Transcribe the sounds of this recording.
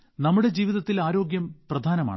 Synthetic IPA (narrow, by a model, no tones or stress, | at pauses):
nɐmːuɽe̞d͡ʑiːʋiðɐt̪ːilaːɾo̞ːɡjɐmprɐd̪ʱaːnɐma̰ːɳ